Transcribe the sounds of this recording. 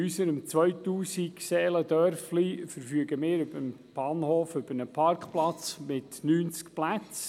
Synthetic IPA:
ysəɾəmt͡sʋœʏtuːsiksɛːləd̪œɾflifəɾfyːɡəmɪːɾʏbəm | b̥ɑːnhoːfʏbənəpʰɑɾkχplɑt͡smɪtnyːnt͡skplæt͡s

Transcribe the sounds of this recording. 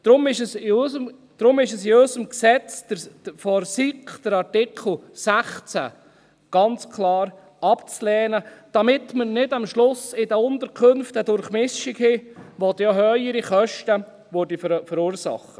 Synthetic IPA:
d̪̥ɾʊmɪʃəsɪøsəm | d̪̥ɾʊmɪʃəsɪøsəmksɛt͡sd̥ə̥fɔɾsikχd̥əɾɑɾtɪkʰl̩ˠsæχt͡sæ̰ | ɡ̥ɑnt͡skʰlɑːɾ | ɑpt͡slɛːnəd̥ɑmɪtmənɪdɑmʃlʊsɪdəʊnt̪əɾkʰɵnft̪ədʊɾχmɪʃiɡhɪʋɔt̪jɑɦœəɾiχœʃtə | ʋʊɾdifəɾuːɾsɑ̰χə

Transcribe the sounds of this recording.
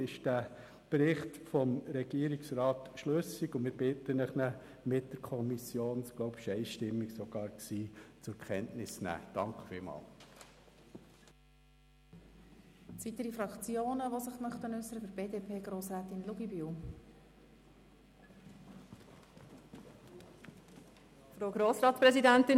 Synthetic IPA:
ɪʃd̥æ | b̥ɾɪχtfɔmɾɛɡ̥iəɾiksɾɑːt̪ʃløsiɡʊmɪɾb̥ɪt̪ənəχnə | mɪt̚d̥əɾkʰɔmisjoːnsɡ̥loʊbɪ̥ʃɛɪʃtɪmːiksɔɡ̥ɑːɾksiːt͡sʊkʰɛntnɪsnæ̰ːd̥ɑŋkχfɪlmɑ̰ːl | t͡sit̪əɾifɾɑkt͡sjoːnəʋosəχmœχt̪ənʏsːəɾəbəɾb̥eːdeːpʰeːɡɾoːsɾæːt̪ɪnluɡibiw | fɾoːɡɾoːsɾɑːtpɾɛzidænt̪ɪn

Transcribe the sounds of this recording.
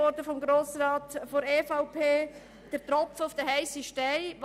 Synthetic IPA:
ɔɾdəfɔmɡɾoːsɾɑːt̪foɾeːfaʊpʰeː | d̥əɾtɾɔpfəʊfd̥əɦɛɪsiʃtɛɪʋ

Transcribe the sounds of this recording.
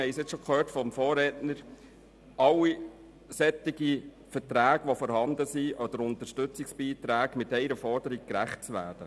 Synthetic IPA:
hɛɪsɪt͡sʃɔkʰøːɾtfɔmfoːɾɛtnəɾ | ɑlːi | sɛt̪ːɪɡi | fətɾæːɡʋɔfɔɾhɑnd̪əsiʔɔd̥̪əɾʊnt̪əʃtɵt͡sɪksb̥iːt̪ɾæːɡmɪtɛɪɾəfɔɾdəɾik̚kɾæχt̚t͡sʋæ̰ːd̥ə

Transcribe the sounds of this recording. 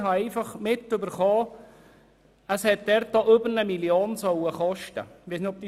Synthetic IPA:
hɑɛɪfɑχmɪt̪ːʏbəɾχoː | əshɛt̪̚d̥̪ɛɾt̪̚d̥oːʔʏbəɾnəmiljoːnsɔwəχɔʃtə̰ʋɛːsnɪtɔp̪̚i

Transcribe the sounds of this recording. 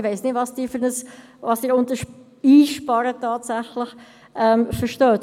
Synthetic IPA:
ʋeɪsnɪtvɑːsd̥iːɾfʏnəsʋɑsd̥iːɾʊntəʃ | iːʃpɑɾətɑːtsæχlɪχ | ʔɛmfəʃtœːt

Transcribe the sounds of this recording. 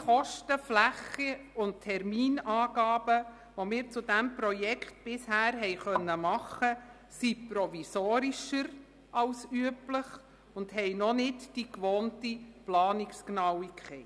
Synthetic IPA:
χɔʃtəflæχiʊnttʰɛɾmiːnɑːɡ̥ɑːb̥ə | ʋomɪːɾt͡sʊdæmpɾɔjɛkχt̚b̥ɪshæːɾɦɛɪχœnːəmɑχə | sipɾɔvisoːɾiʃəɾ | ʔɑlsyəbləχ | ʊndhɛjnɔnɪtd̥ikʋoːntiplɑːnɪksknɑwikχɛɪ

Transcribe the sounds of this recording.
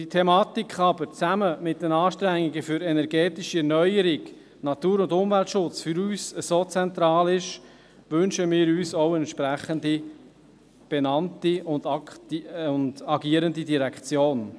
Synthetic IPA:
d̥itʰɛmɑːt̪ikχɑbəɾt͡sæməmɪt̚d̥ɛnɑːʃtɾæŋːiɡəfʏɾɛnɛɾɡ̥ɛːtiʃiɛɾnœʏəɾiɡ | nɑt̪uːɾʊndʊmvɛlt̪ʃʊt͡sfyɾyːsəsoːt͡sɛnt̪ɾɑːlɪʃ | ʋɵnʃəmɪːɾyːsowəɛnʃpɾæχəndi | b̥ɛnɑntiʊndɑkʊnd̥ɑɡiəɾəndidiɾɛkχt͡sjoːn

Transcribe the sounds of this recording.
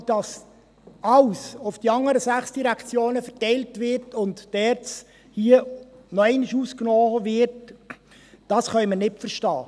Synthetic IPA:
d̥ɑs | ɑwsʊfd̥iɑŋːəɾəsæχsd̥iɾækt͡sjoːnəfɛtɛjltvɪɾtʊntd̥ɛːɾt͡s | hiə | nɔɛɪnəʃuːsknɔːʋvɪɾt | d̥ɑsχœʏmənɪtfəɾʃtɑː

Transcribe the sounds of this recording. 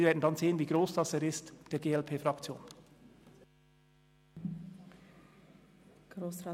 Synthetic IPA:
ɾveːdn̩dɑnzeːənviːɡɾoːsd̥ɑseːɾɪstd̥eːɐɡeːɛlpʰeːfʁɑkt͡sjo̰ːn | ɡ̥ɾoːsa

